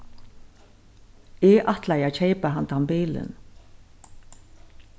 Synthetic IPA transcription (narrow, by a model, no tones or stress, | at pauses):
ɪʔaht̪lajaːt͡ʃʰeɪpaɦant̪ampiːlɪ̰n